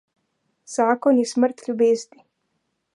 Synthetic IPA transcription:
z̥aːkɔnjɛsmərt̪lʲubeːzd̪i

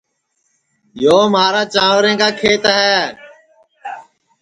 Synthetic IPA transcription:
joːmaːɾãːt͡ʃãːʋɾẽːkaːkʰeːt̪ːɦɛː

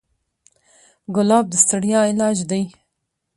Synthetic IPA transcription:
ɡʊlɑb̚d̪əst̪aɽjɑɪlɑːʒd̪aj

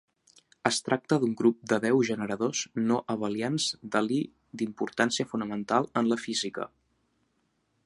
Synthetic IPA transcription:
əst̪ɾʔak̚t̪əðuŋɡɾup̚d̪əðɛwʒənəɾəðoznoʔəβəlianzd̪əli | d̪impuɾt̪ansiəfunəmənt̪alˠənləfizikə̰

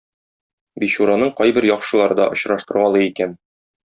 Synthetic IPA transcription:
biɕuɾɑnɤɴqɒjbɘɾjɒχʃɤ̆lˠɑɾɤd̪ɒʔŏɕɾɑʃt̪ɤ̆ɾʁɑlˠɤikæn

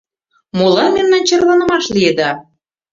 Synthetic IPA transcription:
molɑnmemnɑnt͡ɕɤrlɑnə̆mɑʃlijed̪ɑ

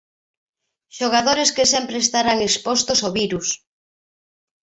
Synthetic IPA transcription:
ʃoɣ̞aðoɾeskesempɾest̪aɾaŋespost̪osoβiɾus

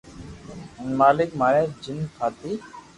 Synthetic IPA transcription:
nmaːlik̚maɾɛd͡ʒinkʰaːt̪i

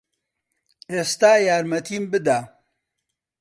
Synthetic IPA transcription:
eːst̪aːjaːɾmɐt̪ʰiːmbɨd̪aː

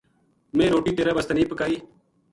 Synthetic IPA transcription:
mẽːɾoːʈiːt̪eːɾaːbəst̪əniːpəkaːiː

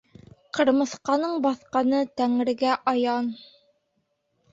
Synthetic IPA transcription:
qɤ̆ɾmɤ̆θqɑnɤɴbɑθqɑnɤt̪æŋɘ̆ɾɡæʔɑjɑn

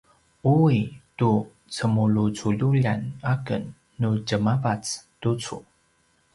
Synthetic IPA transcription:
uitu | t͡səmulut͡suʎuʎanakə̰nː | uɟəmavat͡stut͡sṵ

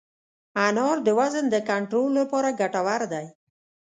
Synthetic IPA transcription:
anɑɾd̪əwazənd̪əkaɳʈɾolːapɑɾaɡaʈawaɾd̪aj

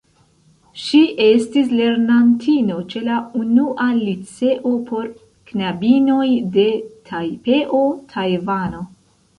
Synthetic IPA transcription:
ʃiʔe̞stis̬le̞ɾnantʰino̞t͡ʃe̞launuʔalit͡se̞ʔo̞pʰo̞ɾ | knabino̞jde̞tʰajpe̞ʔo̞tʰajvano̞

